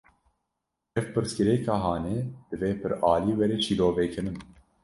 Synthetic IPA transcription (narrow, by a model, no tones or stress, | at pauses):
ɛvpɨɾskɨɾɛːkɑːɦɑːneːd̪̥ɨveːpʰɨɾɑːliːwɛɾeːt͡ʃʰiːloːvekʰɨnɨn